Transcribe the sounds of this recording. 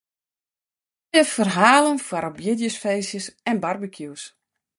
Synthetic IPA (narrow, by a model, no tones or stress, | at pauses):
əfərɦaːlənfwaɾɔbjɪdjəsfeːsjəsɛnbarbəkʰjuws